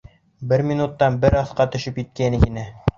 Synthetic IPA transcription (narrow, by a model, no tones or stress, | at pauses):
bɘɾminut̪ːɑnbɘɾɑθqɑt̪ɵ̆ʃɘpjit̪̚kænɘkinɘ